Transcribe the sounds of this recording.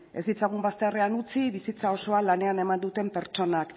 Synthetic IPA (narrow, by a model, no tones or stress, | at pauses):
e̞zd̪it͡saɣumbast̪eare̞anut͡siβisit͡sao̞so̞alane̞ane̞mand̪ut̪e̞mpe̞ɾt͡ʃo̞nak